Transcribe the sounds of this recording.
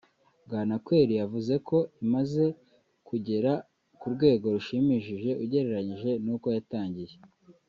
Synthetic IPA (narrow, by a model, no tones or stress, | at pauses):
ɡaːnakwe̞ːɾijavuze̞ko̞imaze̞ | kuɟe̞ɾa | kuɾɡwe̞ːɡo̞ɾuʃimiːʃiʒe̞ʔuɟe̞ɾe̞ɾaɲiʒe̞nuːko̞jataːɲɟije